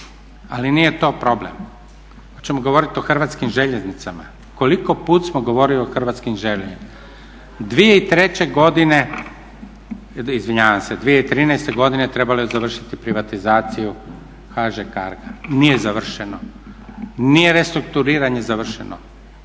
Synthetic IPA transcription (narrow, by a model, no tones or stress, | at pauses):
a̰linije̞t̪o̞ːpɾo̞blḛm | ot͡ɕemoɡo̞ʋo̞ɾit̪o̞xr̩ʋat̪skimʒe̞ʎe̞znit̪sama̰ | ko̞liko̞puːt̪smoɡo̞ʋo̞ɾilioxr̩ʋat̪skimʒelʎeɲima | d̪ʋijeit̪ɾe̞t͡ɕe̞ɡo̞d̪ine̞ | izʋiɲaːʋamsed̪ʋije̞it̪ɾiːnaest̪e̞ɡo̞d̪inet̪ɾe̞balozaʋr̩ʃit̪ipɾiʋat̪izaːt̪siju | xaʒekaɾɡanije̞zaʋr̩ʃeno | nijeɾe̞st̪ɾuk̚t̪uɾiːɾaɲe̞zaʋr̩ʃḛnʔo̰